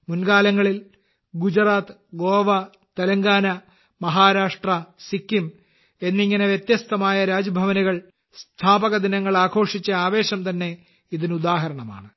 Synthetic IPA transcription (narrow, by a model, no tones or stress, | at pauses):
munɡaːlɐŋːɐɭil | ɡud͡ʑraːt̪ɨɡo̞ːʋɐ | t̪ɐlɐŋɡaːnɐ | mɐɦaːɾaːʂʈrɐsikːim | e̞nːiŋːɐne̞ʋjet̪jɐst̪ɐmaːjɐɾaːd͡ʑɐbʱɐʋɐniɣɐɭ | st̪ʰaːbɐɣɐd̪inɐŋːɐɭaːkʰo̞ːʂit͡ɕːɐaːʋe̞ːɕɐmt̪ɐnːe̞ | iðinud̪aːɦɐɾɐɳɐma̰ːɳɨ